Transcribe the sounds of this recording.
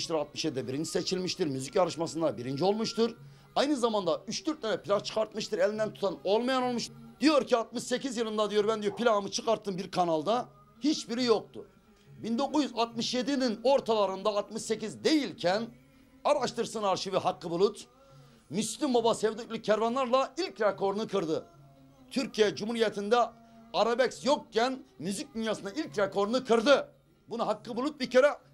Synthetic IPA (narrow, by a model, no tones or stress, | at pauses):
ʃt̪iɾat̪̚mɯʃjed̪id̪ɛbiɾind͡ʒiset͡ʃʰilʲmiʃt̪iɾmyzicaɾɯʃmasɯnd̪abiɾind͡ʒio̞lˠmuʃt̪ɯɾ | ajnɯzamand̪ayʃt̪ʰyɾt̪̚nʲenɛpilʲant͡ʃʰɯ̥kʰaɾt̪̚mɯʃt̪ɯɾelʲind̪ænt̪ʰu̥t̪ano̞lˠmajano̞lˠmuʃd̪ijo̞ɾciat̪̚mɯʃse̞cizjɯlˠɯnd̪ad̪ijo̞ɾbænd̪ijopʰilʲamɯt͡ʃʰɯkaɾt̪ːɯmbiɾkʰanalˠd̪a | hit͡ʃbiɾijo̞k̚t̪ʰʊ | bind̪o̞kuzjyzat̪̚mɯʃje̞d̪inino̞ɾt̪ʰalˠaɾɯnd̪aːt̪mɯʃse̞cizd̪e̞jilʲcʰæn | aɾaʃt̪ʰɯɾsɯnaɾʃiviɦakːɯbulˠut̪ | myslʲimbobasɛvd̪icʲlʲicʰæɾvanlˠaɾlˠailʲcɾekʰo̞ɾunɯkʰɯɾd̪ɯ | t̪ʰyɾcʰijɛd͡ʒumhuɾijet̪ʰind̪ɛ | aɾabɛcsjok̚cʰænmyzic̚d̪ynjaːsɯnailʲcɾekʰo̞ɾunɯkʰɯɾd̪ɯ | bunuɦakːɯbulˠut̪̚bicʰeɾɛ